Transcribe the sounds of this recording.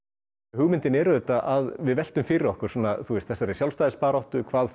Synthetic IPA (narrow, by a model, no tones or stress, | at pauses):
hʏɣmɪnt̪ɪnɛɾʏðɛt̪aʔaðvɪðvɛl̥t̪ʏmfɪːɾɪɾɔhkʏɾ̥sɔːnaθust̪θɛsːaɾɛsjalst̪ajðɪspaːɾɔht̪ʏkʰvaːð